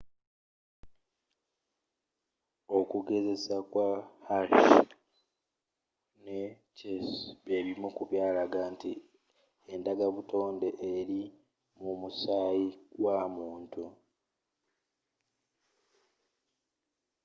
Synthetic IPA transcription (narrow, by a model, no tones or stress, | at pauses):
o̞kuɡe̞ze̞sakwahaʃ | ne | cesβeβimukuβjaːlaɡanti | endaɡaβuto̞ːnde̞ʔeɾi | mumusaːjiɡwaːmuːntu